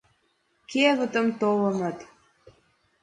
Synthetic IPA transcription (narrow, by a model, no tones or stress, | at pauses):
keβə̆t̪ə̆mt̪olə̆mə̆t̪